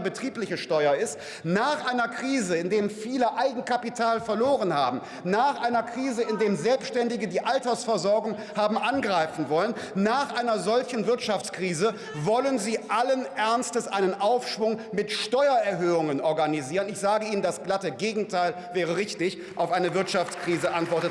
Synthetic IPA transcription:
bətʁ̥iːplɪçəʃtɔʏɐɪst | naːχʔaɪnɐkʁ̥iːzəɪndeːmfiːləʔaɪɡŋ̩kapitʰaːlfɛɐloːʁənha̰ːbm̩ | naːχʔaɪnɐkʁ̥iːzəɪndeːmzɛlpsʃtɛndɪɡədiːʔaltɐsfɛɐzɔɐɡʊŋ | haːbm̩ʔanɡʁaɪfn̩vɔlən | naːχʔaɪnɐzɔlçn̩vɪɐtʃaft͡skʁ̥iːzə | vɔlənziːʔalənʔɛɐnstəsʔaɪnənʔaʊfʃv̥ʊŋmɪtʃtɔʏɐɛɐɦøːʊŋənɔɐɡaniziːʁənɪçz̥aːɡəiːnəndasɡ̥latəɡeːɡŋ̩tʰaɪl | vɛːʁ̞əʁɪçtɪç | ʔaʊfʔaɪnəvɪɐtʃaft͡skʁ̥iːzəʔantv̥ɔɐtət

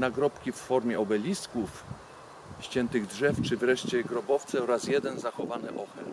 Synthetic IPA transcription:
naɡɾɔpkʲifːɔɾmʲjɛɔbɛlʲist̪kuf | ɕt͡ɕɛnt̪ɘɣdʐɛft͡ʂɘvɾɛʂt͡ɕɛɡɾɔbɔft̪sɛɔɾasjɛd̪ɛnzaxɔvanɛʔɔxɛ̰

